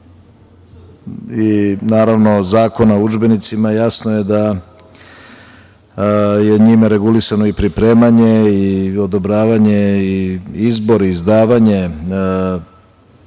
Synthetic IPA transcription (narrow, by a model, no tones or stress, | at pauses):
inaːɾaʋno̞zaːko̞naud͡ʒbe̞nit̪simajasnoje̞d̪a | jeɲimeɾe̞ɡulisano̞ipɾipɾe̞ːmaɲeio̞d̪o̞bɾaːʋaɲe̞iizbo̞ɾiizd̪aːʋaɲe̞